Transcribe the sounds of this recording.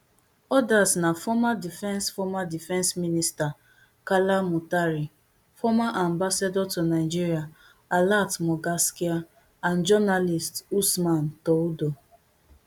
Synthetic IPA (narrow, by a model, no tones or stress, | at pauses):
ɔdasnafɔmadifɛ̃nsfɔmadifɛ̃nsminista | kalamutaɾi | fɔmaʔãmbasadɔtonaɪd͡ʒiɾia | alatmɔɡaskia | and͡ʒɔnalistusman̩tɔudo